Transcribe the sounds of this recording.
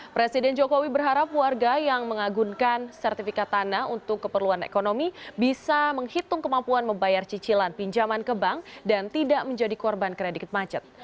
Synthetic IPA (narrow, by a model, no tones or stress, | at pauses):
pɾesidɛnd͡ʒokowibərɦaɾap̚warɡajaŋməŋaɡuŋkansɛrt̪ifikat̪ːanaunt̪ʊkːəpərluanḛkonomibisaməŋhit̪ʊŋkəmampuanməmbajart͡ʃit͡ʃilanpiɲd͡ʒamankəbaŋdant̪idaʔməɲd͡ʒadikɔrbankɾedik̚t̪̚mat͡ʃət̪̚